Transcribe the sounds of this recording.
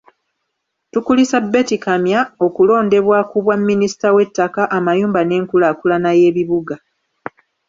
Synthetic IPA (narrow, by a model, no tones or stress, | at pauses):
tukulisabːe̞tikamjao̞kulo̞ːnde̞βwaːkuβwamːinisi̥tawe̞tːakaʔamajuːmbane̞ːŋkulakulanaje̞ːβiβuɡa